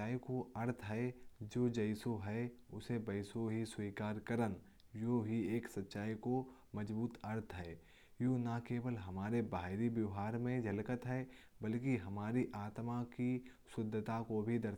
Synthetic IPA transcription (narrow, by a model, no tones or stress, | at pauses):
aːikoɐɾt̪ʰɦɛd͡ʒoːd͡ʒɐɪsoɦɛ | ʊsebɐɪsoɦiswiːkaːɾkəɾən | joːɦieːksɐtːʃaːiko | mɐd͡ʒbuːt̪ɐɾt̪ʰɦɛ | joːnakeːʋəlɦɐmaːɾebaːɦɪɾibjɐʋɦaːɾmẽd͡ʒʱɐlkət̪ɦɛ | bɐlkiɦɐmaːɾiʔaːt̪maki | sʊd̪ʱːt̪akobʱid̪ɐɾ